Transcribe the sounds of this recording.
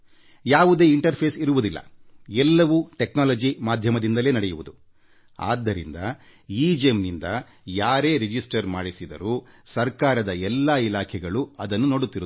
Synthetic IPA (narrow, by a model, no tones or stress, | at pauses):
jaːʋud̪e̞ːiɳʈɐɾpʰeːsiɾuʋud̪ilːɐ̰ɛlːɐʋuʈeknaːlɐd͡ʒimaːd̪ʱjɐmɐd̪ind̪ɐle̞ːnɐɽɛjuʋud̪u | a̰ːd̪ʱːɐɾḭnd̪ɐ | iːd͡ʒemnind̪ɐ | jaːɾe̞ːɾid͡ʒisʈɐɾmaːɽisid̪ɐ̰ɾusɐɾkaːɾɐd̪ɐɛlːailaːkʰɛɡɐɭuɐd̪ɐnːuno̞ːɽut̪ːiɾu